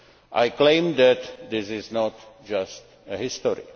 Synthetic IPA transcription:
ʔajklẽɪ̃md̪ɛt̪d̪ɪsɪznɔtd͡ʒast | əɦɪstɔɾɪ̰

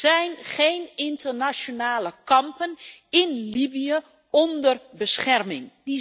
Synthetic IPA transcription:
zɛjnχejnɪntərnasjonaːləkɑmpənɪnlibijə | ɔndərbəsχɛrmɪŋi

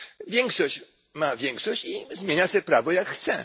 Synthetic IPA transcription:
vʲjɛŋkʂɔɕt͡ɕ | mavʲjɛŋkʂɔɕt͡ɕizmʲjeɲasɛpɾavɔjakxːt̪sɛ

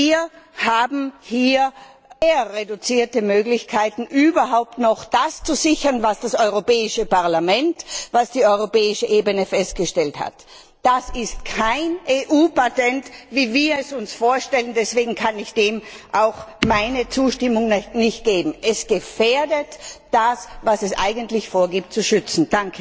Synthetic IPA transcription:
iːɐhaːbm̩hiːɐ | eːɐʁedut͡siːɐtəmøːɡlɪçkʰaɪtn̩ʔyːbɐɦaʊp̚tnɔχd̥ast͡suzɪçɐnvasd̥asɔʏʁopɛːɪʃəpaɐlamɛntvasd̥iːɔʏʁopɛːɪʃəʔeːbənəfɛst̚ɡ̥əʃtɛltha̰t | d̥asɪstkʰaɪnʔeːʔuːpatɛntviːviːɐɛsʊnsfoːɐʃtɛləndɛsv̥eːɡŋ̩kʰanɪçd̥eːmʔaʊxmaɪnət͡suːʃtɪmʊŋnnɪçt̚ɡ̥eːbm̩ʔɛsɡ̥əfeːɐdətd̥asvasɛsʔa̰ɪɡəntlɪçfoːɐɡiːp̚tt͡suʃʏt͡sn̩d̥aŋkʰə

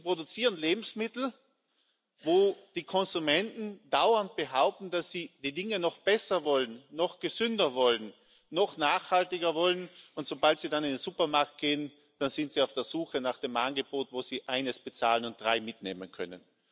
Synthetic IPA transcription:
ipʁ̥odut͡siːʁənleːbm̩smɪtl̩ | voːd̥iːkʰɔnzumɛntn̩d̥aʊɐnt̚b̥əɦaʊp̚tn̩dasiːd̥iːdɪŋənɔχb̥ɛsɐvɔlənːɔχɡ̥əzʏndɐvɔlənː | ɔχnaːχhaltɪɡɐvɔlənʊntsobaltsiːdanɪndenz̥upɐmaɐk̚t̚ɡ̥eːən | d̥anz̥ɪntsiːaʊfd̥eːɐz̥uːxənaːχd̥eːmʔanɡəboːtvoːz̥iːʔaɪnəsb̥ət͡sa̰ːlənʊnt̚d̥ʁaɪmɪtnḛːmənkʰœ̰nə̰n

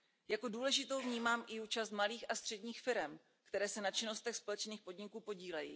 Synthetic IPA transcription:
jako̞duːlɛʒɪt̪o̞wvɲiːmaːmʔɪuːt͡ʃast̪maliːxast̪r̥ɛdɲiːxfɪɾɛm | kt̪ɛɾɛːsɛnat͡ʃɪno̞st̪ɛxspo̞lɛt͡ʃniːxpo̞dɲɪkuːpo̞ɟiːlɛjḭː

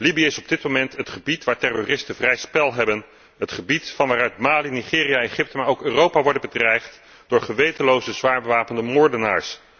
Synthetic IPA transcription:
libijəɪsɔb̚dɪt̚momɛntətχəbitʋaːɹtɛrorɪstəvrɛjspɛlˠɦɛbən | ɦətχəbitfɑnʋaːrœɥtmaːliniχɪːrijaejχɪp̚təmaːɹowkøːrowpaʋɔɹdəbədrɛjχt | d̥ʊːɹχəʋejtəlowzəzʋaːɹbəʋaːpəndəmʊːɹdəna̰ːɹs

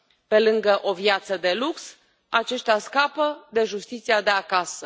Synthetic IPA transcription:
pe̞lɨŋɡəʔo̞vjat̪səd̪e̞luks | at͡ʃe̞ʃt̪easkapəd̪e̞ʒust̪it̪siad̪e̞akasə

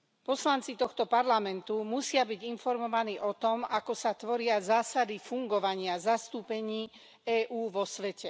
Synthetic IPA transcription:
pɔslant͡sit̪ɔxt̪ɔpaɾlamɛnt̪umusɪabiɟinfɔɾmɔʋaniːʔɔt̪ɔmakɔsat̪ʋɔɾɪazaːsad̪ifuŋɡɔʋaɲɪazast̪uːpɛɲiː | ɛːʔuːʋɔsʋɛcɛ

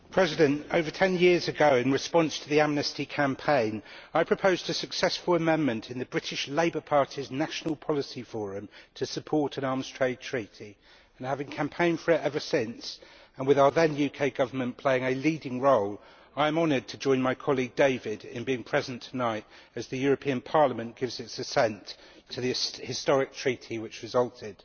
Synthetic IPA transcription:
pʰɹ̥ɛzɪdə̃ntəʊvə˞tʰɛ̃njɪɹzɨɡəʊɪ̃nɹɨspɒ̃nstʰəðiæmnɨstikʰæ̃mpʰẽɪ̃naɪpʰɹ̥əpʰəʊzdəsəksɛsfələmɛ̃nmə̃ntʰɪ̃nðəbɹɪtɪʃleɪbəpʰɑɹtʰiznaʃənəlˠpʰɒlɪsifɔːɹə̃mtʰəsəpʰɔˑtʰə̃nɑːmz̥tʰɹ̥eɪd̚tʰɹ̥iˑtʰi | ə̃nhavɪ̃ŋkʰæ̃mpʰẽɪ̃n̥fəɹɪtɛvəsɪ̃ns | ə̃nwɪðaəðə̃njʉkʰeɪɡʌvəmə̃npʰl̥eɪɪ̃ŋəliːdɪ̃ŋɹoʊl | aɪə̃mɒnəd̚tʰəd͡ʒɔ̃ɪ̃nmaɪkʰɒliɡ̚deɪvɪdɪ̰̃nbiɪ̃ŋpʰɹ̥ɛzə̃ntʰənaɪt | ɨzðɨjɔːɹəpʰĩə̃npʰɑɹləmə̃nɡ̥ɪvzɪtsəsɛ̃ntʰəðəhɪstɒɹɪk̚tʰɹ̥iˑtʰiwɪt͡ʃɹɨzʌlˠtʰɪd̥

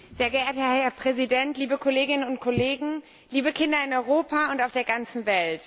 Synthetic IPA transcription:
z̥eːɐɡəʔeːɐthɛɐɛɐpʁ̥ɛzidɛntliːbəkʰoleːɡɪnənʊntkʰoleːɡŋ̩ | liːbəkʰɪndɐɪnɔʏʁ̞oːpʰaʊntaʊfd̥eːɐɡant͡sn̩vɛlt

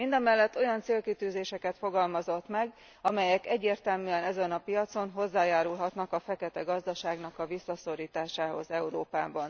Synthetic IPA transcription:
mind̪ɒmɛlːɛt̪ːo̞jɒnt̪seːlkit̪yːzeːʃɛkɛt̪fo̞ɡɒlmɒzo̞t̪mɛɡ | ɒmɛjɛkɛɟːeːrt̪ɛlmyːɛnɛzɛnɒpijɒt̪so̞nɦo̞zːaːjaːɾulɦɒt̪nɒkɒfɛkɛt̪ɛɡɒzd̪ɒʃaːɡnɒkɒvisːɒso̞ɾiːt̪aːʃaːho̞̰zɛuɾoːpaːbɒn

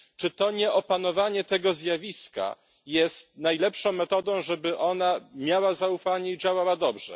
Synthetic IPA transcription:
t͡ʂɘt̪ɔɲɛʔɔpanɔvaɲɛt̪ɛɡɔzʲjavʲiska̰ | jɛst̪najlɛpʂɔ̃w̃mɛt̪ɔd̪ɔ̃w̃ʐɛbɘʔɔnamʲjawazaufaɲɛid͡ʑawawad̪ɔbʐɛ̰

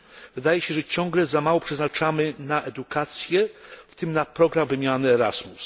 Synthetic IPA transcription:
vɘd̪ajɛɕɛʐɛt͡ɕɔ̃ŋɡlɛzamawɔpʂɛznat͡ʂamɘnaʔɛd̪ukat̪sʲjɛft̪ɘmnapɾɔɡɾamvɘmʲjanɘɛɾa̰smus

